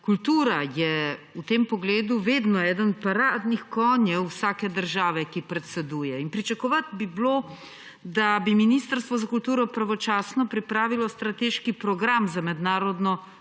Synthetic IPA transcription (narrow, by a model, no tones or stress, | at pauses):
kult̪uːɾajɛut̪eːmpɔɡleːd̪uʋeːd̪nɔɛːd̪ənpaɾaːd̪nixkɔnjɛwsaːkɛd̪əɾʒaːʋɛkipɾɛt̪sɛd̪uːjɛinpɾit͡ʃakɔʋat̪biblo | d̪abiminiːst̪əɾst̪ʋɔzakult̪uːɾɔpɾaʋɔt͡ʃaːsnɔpɾipɾaːʋilɔst̪ɾat̪eːʃkipɾɔɡɾamzamɛd̪naːɾɔd̪nɔ